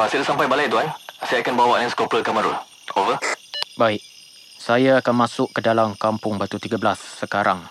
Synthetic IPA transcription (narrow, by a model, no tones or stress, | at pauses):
asadasampajbalajt̪uansajaakanbawaʔnãskɔpɾəkaməɾṵ | ovəbaɪʔ | sajaakanmãsʊʔkədalamkampʊŋbat̪ut̪iɡablasːəkaɾʔaŋ